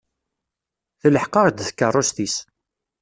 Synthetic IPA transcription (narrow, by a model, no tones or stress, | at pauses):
θələħqɑʁd̪θkːərˤːʊst̪is